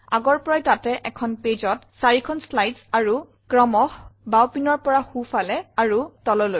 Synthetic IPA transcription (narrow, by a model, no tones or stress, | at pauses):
aɡɔɹpɔɹajtatɛʔɛkʰɔnpezɔtsaɹikʰɔnslajdsaɹu | kɹɔmɔxbawpinɔɹpɔɹaxufalɛaɹutɔlɔloj